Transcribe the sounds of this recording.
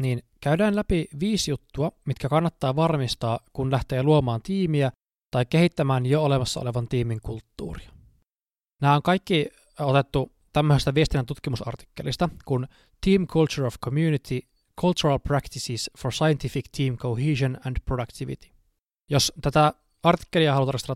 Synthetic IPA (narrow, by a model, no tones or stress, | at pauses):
niːnkæydæːnlæpiʋiːsjut̪ːuɑmit̪kækɑnːɑt̪ːɑːʋɑrmist̪ɑːkunlæht̪eːluomɑːnt̪iːmiæ | t̪ɑikːehit̪ːæmæːnjoole̞mɑsːɑo̰le̞ʋɑnt̪iːmiŋkult̪ːṵːriɑ | næːoŋkɑjkːi | ot̪et̪ːu | t̪æmːøsest̪æʋiest̪inænt̪ut̪kimusɑ̰rt̪i̥kːelist̪ɑkun | t̪iːmkʰult͡ʃuɹofkʰomjunit̪ʰi | kʰult͡ʃuɾɑlprækt̪isisforsɑjent̪ifikt̪ʰiːmkohiːsonændprodɑkt̪iʋḭt̪i̥ | jost̪æt̪æ | ɑrt̪i̥kːeliɑhɑlut̪ɑrst̪elːɑ